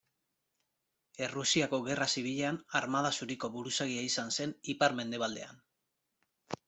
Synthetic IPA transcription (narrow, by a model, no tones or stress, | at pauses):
e̞rusiako̞ɣe̞rasiβiʎe̞anaɾmaðasuɾiko̞βuɾusaɣiaisanse̞nipaɾme̞nd̪e̞β̞ald̪e̞̰a̰n